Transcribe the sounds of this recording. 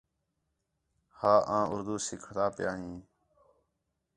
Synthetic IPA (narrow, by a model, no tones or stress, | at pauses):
haːʔãːʊɾd̪uːsɪkʰt̪aːpjaːɦĩː